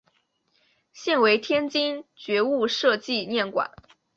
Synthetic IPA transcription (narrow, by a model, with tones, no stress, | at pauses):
ɕjɛ˥˩nwe˧˥ɪt̪ʰjɛ˥nt͡ɕi˥nt͡ɕɥɛ˧˥u˥˧ʂɤ˥˧t͡ɕi˥˧njɛ˥˩nkwa̰˨˩˦n